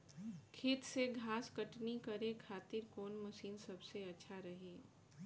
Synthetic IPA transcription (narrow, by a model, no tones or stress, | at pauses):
kʰɪt̪seɡʱaːskɐʈnikɐɾekʰaːt̪ɪɾkoːnmɐʃiːnsɐbseɐtːʃʰaɾɐɦeː